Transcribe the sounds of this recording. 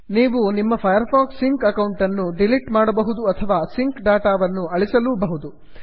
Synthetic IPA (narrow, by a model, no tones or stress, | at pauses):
niːʋunimːɐpʰɐjɐɾpʰaːksiŋkɐkɐwɳʈɐnːuɖiliʈmaːɽɐbɐɦud̪uɐt̪ʰɐʋaːsiŋkɖaːʈaːʋɐnːuɐɭisɐluːbɐɦud̪u